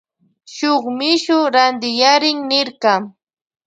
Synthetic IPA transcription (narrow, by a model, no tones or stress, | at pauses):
ʃoχmɪʃʊɾand̪ɪjaɾɪŋnɪɾkɑ